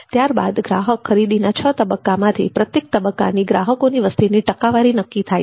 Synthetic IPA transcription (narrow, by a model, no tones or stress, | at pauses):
t̪jaɾba̰d̪ɡɾaɦəkʰːəɾid̪inat͡ʃʰət̪əbəkːamãt̪ʰḭpɾət̪jek̚t̪əbəkːa̰niɡɾa̰ɦəkoniʋəst̪iniʈəkaʋaɾinəkːit̪ʰaj